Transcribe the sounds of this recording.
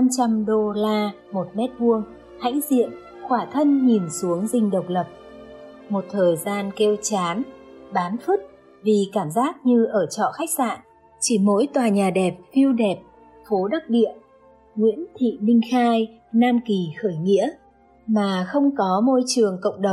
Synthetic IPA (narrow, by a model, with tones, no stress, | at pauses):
na˧mt͡ɕa˧mɗo˧laː˧ | mo˨˩t̚mɛ˦˥t̚vu˧əŋ | ha̰ː˧˥jzḭ˧˨ən | xwaː˧˩t̪ʰə˧nɲi˨˩nsu˨˦əŋzï˧ŋ̟ɗə˨˩wk͡p̚lə˨˩p̚ | mo˨˩t̚t̪ʰəː˨˩jzaː˧nkɛ˧wt͡ɕaː˨˦nɓaː˨˦nfɨ˦˥t̚ | vi˨˩kaː˧˩mzaː˦˥k̚ɲɨ˧ʔəː˧˩t͡ɕɔ̰˧˨xa˦˥jk̚sa̰ː˧˨n | t͡ɕi˧˩mo̰˧˥jt̪waː˨˩ɲaː˨˩ɗɛ˨˩p̚fi˧əwɗɛ˨˩p̚ | fo˨˦ɗə˦˥t̚ɗḭ˧˨ə | ŋwḭ˧˥ənt̪ʰḭ˧˨mï˧ŋ̟xaː˧j | naː˧nki˨˩xəː˧˩jŋḭ˧˥ə | maː˨˩xə˧wŋ͡mkɔ˨˦mo˧jt͡ɕɨ˨˩əŋkə̰˧˨wŋ͡mɗə˨˩